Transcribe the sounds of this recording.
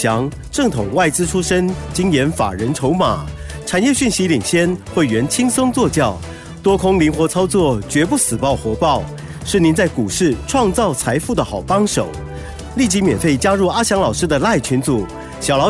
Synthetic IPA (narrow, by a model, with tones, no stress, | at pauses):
jɑ˧˥ŋ | ʈ͡ʂɤ˥˩ŋt̪ʰʊ˨˩ŋwa˥˩ɪt͡sɹ̩˥ʈ͡ʂʰu˥ʂə˥nt͡ɕi˥ŋjɛ˧˥nfa̰˨˩ɻə˧˥nʈ͡ʂʰo˧˥ʊma̰˨˩˦ | ʈ͡ʂʰa˨˩njɛ˥˧ɕy˥˩nɕi˧˥li˨˩ŋɕjɛ˥˧nxwə˥˩ɥɛ˧˥nt͡ɕʰi˥ŋsɤ˥ŋt͡swɔ˥˧t͡ɕjɑ˥˩ʊ | t̪wɔ˥kʰʊ˥ŋli˧˥ŋxwɔ˧˥t͡sʰɑ˥ʊt͡swɔ˥˩t͡ɕɥɛ˧˥p̬u˥˩sɹ̩˨˩pɑ˥˩ʊxwɔ˧˥pɑ˥˩ʊ | ʂɻ̩˥˩ni˧˥nt͡sa˥˩ɪku˨˩ʂɻ̩˥˩ʈ͡ʂʰwɑ˥˧ŋt͡sɑ˥˩ʊt͡sʰa˧˥ɪfu˥˩d̪ə˩xɑ˨˩ʊpɑ˥ŋʂo˨˩˦ʊ | li˥˩t͡ɕi˧˥mjɛ˨˩nfe˥˩ɪt͡ɕja˥ɻu˥˩a˥ɕjɑ˧˥ŋlɑ˨˩ʊʂɻ̩˥d̪ə˨la˥˩ɪt͡ɕʰy˧˥nt͡su˨˩˦ | ɕɑ˨˩ʊlɑ˧˥